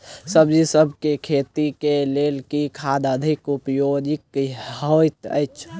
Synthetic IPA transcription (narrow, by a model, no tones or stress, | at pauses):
səbd͡ʒisəbʱkekʰet̪ikelelkikʰad̪əd̪ʱikupjod͡ʒikhojt̪ə̰jt͡ʃʰ